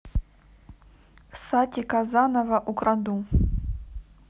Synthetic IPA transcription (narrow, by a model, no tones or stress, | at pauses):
satʲʼikazanavaʔukʼrad̪u